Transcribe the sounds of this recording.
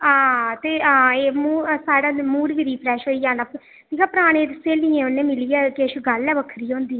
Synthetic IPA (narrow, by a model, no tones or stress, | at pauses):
ãːt̪eːaːeːmuːsaːɽaːmuːɾʋiːɾiːpʰɾɛːʃɦoːijaːnaːp | ʈʰiːkaːpəɾaːɽ̃ẽːd̪ɪsẽːlĩːẽːʊnːẽːmɪliːɛːkeʃɡəlɛːʋəkʰəɾiːɦõːnd̪iːɛ